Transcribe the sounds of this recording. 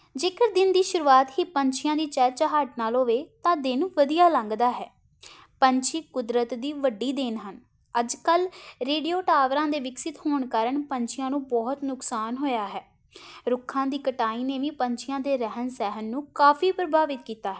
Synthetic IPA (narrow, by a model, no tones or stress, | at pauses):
d͡ʒeːkəɾd̪ɪnd̪iːʃʊɾuːaːt̪ɦiːpəɲt͡ʃʰɪjãːd̪iːt͡ʃɛːt͡ʃaɦaːʈ̚naːlɦoːʋeːt̪ãːd̪ɪnʋəd̪ijaːlə̃ŋɡd̪aːɦɛː | pəɲt͡ʃʰiːkʊd̪ɾət̪d̪iːʋəɖːiːd̪ɪnɦən | əd͡ʒkəlɾeːɖijoːʈaːʋɾãːd̪eːʋɪksɪt̪hoːɳkəɾəɳpəɲt͡ʃʰɪjãːnũːbɔːɦt̪nʊksaːnɦoːjaːɦɛː | ɾʊkʰːãːd̪iːkəʈaːiːneːʋiːpəɲt͡ʃʰɪjãːd̪eːɾəɦənsɛːɦənːũːkaːfʰiːpɾəbʱaːʋɪt̪̚kiːt̪aːɦɛː